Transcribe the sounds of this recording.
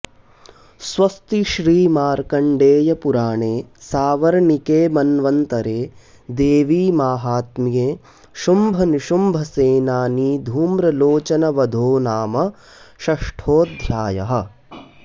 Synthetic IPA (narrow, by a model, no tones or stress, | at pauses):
sʋɐst̪iʃɾiːmaːɾkɐɳɖeːjɐpuɾaːɳeːsaːʋɐɾɐɳikeːmɐnʋɐnt̪ɐɾeː | d̪eːʋiːmaːɦaːt̪mijeː | ʃumbʱɐniʃumbʱɐseːnaːniːd̪ʱuːmɾɐloːt͡ʃɐnɐʋɐd̪ʱoːnaːmɐ | ʃɐʂʈʰoːd̪ʱɾaːjɐ̰ɦɐ̆